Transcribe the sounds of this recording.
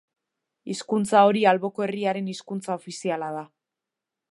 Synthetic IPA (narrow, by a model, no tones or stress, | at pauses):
iskunt͡sao̞ɾialβo̞koe̞riaɾe̞niskunt͡saofisialað̞a